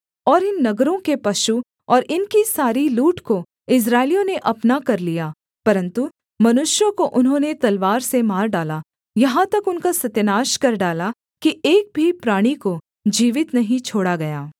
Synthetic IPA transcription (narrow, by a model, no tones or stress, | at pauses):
ɔːɾɪnːɐɡɾõkepɐʃu | ɔːɾʔɪnkisaːɾiluːʈko | ɪs̬ɾaːɪlijõneʔɐpnakɐɾlijaː | pɐɾə̃nt̪u | mɐnʊʃjõkoʔʊnɦõːnet̪ɐlʋaːɾsemaːɾɖaːla | jɐɦãt̪ɐkʊnkasɐt̪jnaːʃkɐɾɖaːla | kieːk̚bʱipɾaːɽ̃iko | d͡ʒiːʋɪt̪nɐɦĩt͡ʃʰoːɽaɡɐjaː